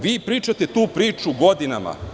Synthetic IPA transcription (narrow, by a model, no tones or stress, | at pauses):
ʋiːpɾiːt͡ʃat̪e̞t̪uːpɾiːt͡ʃuɡo̞d̪inama̰